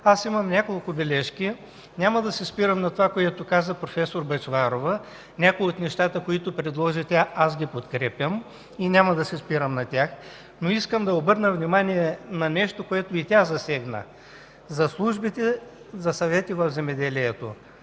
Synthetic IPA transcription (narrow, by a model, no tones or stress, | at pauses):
asimɐmnʲakolˠkʊbɛlɛʃkʲi | nʲamɐd̪ɐsɛspiɾəmnɐt̪ovakoɛt̪ʊkazəpɾofɛsoɾbɐt͡ʃvaɾovə | nʲakojot̪nɛʃt̪at̪əkoit̪opɾɛd̪lˠɔʒit̪ʲaasɡʲipot̪kɾɛpʲjəm | inʲamɐd̪ɐsɛspiɾəmnɐt̪ʲax | noiskəmd̪ɐobɤɾnəvnimaniɛnɐnɛʃt̪okoɛt̪ʊit̪ʲazɐsɛɡnə̰ | zɐslˠuʒbit̪ɛ | zɐsɐvɛt̪ivɐvzɛmɛd̪ɛliɛt̪o̰